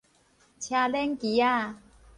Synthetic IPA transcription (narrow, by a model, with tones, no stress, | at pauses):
t͡ɕʰja˧lɛ˦ŋki˨˦a˥˧